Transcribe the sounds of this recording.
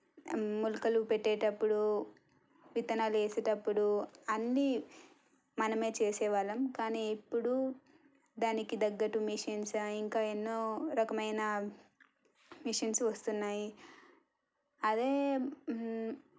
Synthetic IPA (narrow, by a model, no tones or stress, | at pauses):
mulukɐlupeʈːeːʈɐpːuɽu | ʋit̪ɐnaːlueːseːʈɐpːuɽuɐnːi | mɐnɐme̞ːt͡ʃeːsɛːʋaːlɐmkaːniːipːuɽu | d̪aːnikid̪ɐɡːɐʈumiʂɐnsiŋkaːenːo̞ːɾɐkɐmɐjnɐ | miʂɐnsʋɐst̪unːaːji | ɐd̪e̞ː